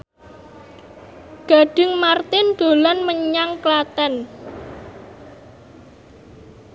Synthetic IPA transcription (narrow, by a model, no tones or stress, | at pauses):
ɡ̥a̤ɖ̥ɪŋmart̪ɪnd̪̥o̤lanməɲaŋklat̪ɛn